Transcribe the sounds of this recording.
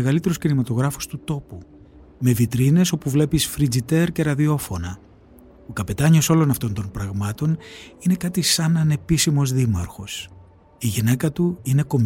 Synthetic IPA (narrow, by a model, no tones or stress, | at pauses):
eɣɐlit̪e̞ɾuscinimɐt̪o̞ɣɾɐfu̥st̪ut̪o̞pu | me̞vit̪ɾine̞so̞puvle̞pisfɾid͡zit̪e̞ɾce̞ɾɐðio̞fo̞nɐ | okɐpe̞t̪ɐɲo̞so̞lo̞nɐft̪o̞nt̪o̞npɾɐɣmɐt̪o̞nine̞kɐt̪isɐnɐne̞pisimo̞zðimɐɾxo̞s | iʝine̞kɐt̪uine̞ko̞m